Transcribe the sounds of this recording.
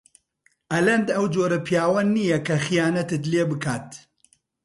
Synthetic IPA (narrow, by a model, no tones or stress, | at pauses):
ʔɐlɐnd̪ɐwd͡ʒoːɾɐpʰjaːwɐnijɛkʰɐxijaːnɐt̪ɨt̪leːbɨkʰaːt̪